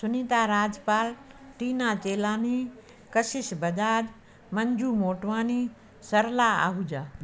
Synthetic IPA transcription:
sʊnĩt̪aːɾaːd͡ʒpaːlʈiːnaːt͡ɕeːlaːni | kɐsɪʃbɐd͡ʒaːd͡ʒ | mɐ̃ɲd͡ʒʱuːmoːʈʋaːni | sɐɾlaːa̰ːɦuːd͡ʒaː

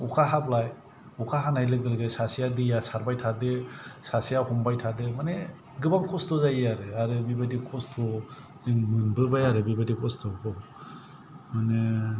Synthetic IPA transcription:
ukʰaɦablaj | ukʰaɦanajlɯɡɯlɡajsasijadɯjasaɾbajtʰadɯsasijahɔmbajtʰadɯmane | ɡɯbaŋkʰɔstʰɔzajaɾɯaɾɯbibadikʰɔstʰɔ | nɯŋmɯnbɯbajaɾɯbibadikʰɔstʰɔkʰɔ | mane

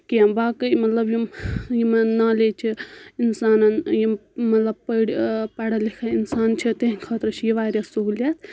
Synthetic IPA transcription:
kijɐmbaːkɨjmɐt̪lɐbjimjimɐnaːlet͡ʃʰiinsaːnɐnjimmɐt̪lɐb̚pəɽpɐɽɐlikʰainsaːnt͡ʃʰit̪eɦikʰaːt̪ɾɐt͡ʃʰijiʋaːɾʲjɐsuɦulʲjaːt̪ʰ

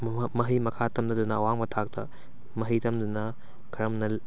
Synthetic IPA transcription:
mɐɦɐjmɐkʰatʰɐmdɐdunɐːwaŋmɐtʰak̚tʰɐ | mɐɦɐjtʰɐmdunɐ | kʰɐɾɐmnɐl

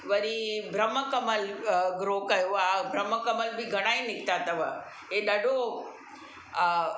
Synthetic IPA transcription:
ʋɐɲibʱɾəməkɐməlɡɾoːkɐjoabʱɾɐməkɐməlbɪɡʱɐɽ̃aːinɪkʰt̪at̪ɐʋə̰ | ɦeɗɐɖʱo

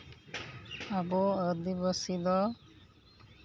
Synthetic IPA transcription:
abɔəd̪ibəsid̪ɔ

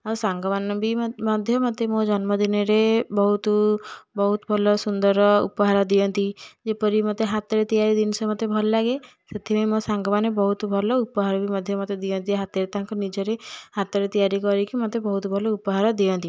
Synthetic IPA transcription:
ausaŋɡɔbanɔbimɔd̪ʱjɔmɔt̪emõd͡ʒɔnmɔd̪inɔɾebɔɦut̪bɔɦut̪bʱɔlɔsund̪ɔɾɔṵpɔɦaɾɔd̪ijɔnt̪id͡ʒepɔɾimɔt̪eɦat̪ɔɾet̪ijaɾid̪insɔmɔt̪ebʱɔlɔlaɡe | set̪ʰibejmõsaŋɡɔbanebɔɦut̪bʱɔlɔupɔɦaɾɔbimɔd̪ʱjɔmɔt̪ed̪ijɔnt̪iɦat̪ɔɾet̪aɦãŋkɔnid͡ʒɔɾehat̪ɔɾet̪ijaɾikɔɾikimɔt̪ebɔɦut̪bʱɔlɔupɔɦaɾɔd̪iɔnt̪i

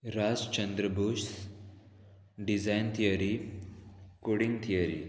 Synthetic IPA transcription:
ɾad͡zt͡ʃənd̪ɾəbuʃs | ɖizajnt̪ʰijəɾi | koɽiŋɡt̪ʰijəɾḭ

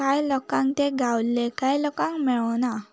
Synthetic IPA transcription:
kajlɔkãŋt̪eɡʱawllekajlɔkãŋkmɛɭəna

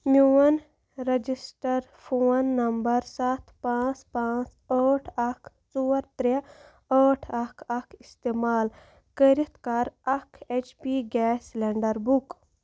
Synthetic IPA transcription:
mʲjuːɐn | ɾɐd͡ʒisʈəɾ | pʰoːnːɐmbɐɾsat̪ʰpãːt͡spãːt͡s | əːʈʰɐkʰ | t͡suːəɾt̪ɾe | əːʈʰɐkʰɐkʰist̪eːmaːl | kəɾit̪kaːɾɐkʰet͡ʃpiɡɛːsleɳɖəɾbuk

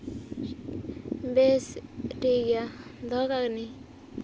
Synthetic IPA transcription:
besʈiɡjad̪ʱɔkakni

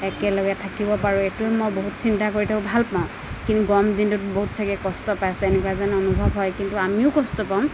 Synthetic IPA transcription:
ɛkɛlɔɡatʰakibɔpaɹuetuɛmojboɦutsintakoɹitʰakɔbʱalpaʊ̃ | kintuɡɔmdintʊtboɦutsʰakɛkɔstɔpajasɛenɛkwazanɛɔnubʱɔbɦɔjkintuamiʊkɔstɔpaʊ̃

